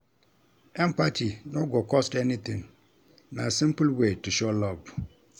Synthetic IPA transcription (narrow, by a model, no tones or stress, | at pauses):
ɛ̃mpatʰinɔ̃ɡɔkʰɔstɛnĩt̪ʰɪ̃ŋ | nã̰sɪ̃mplwetuɕɔlɔb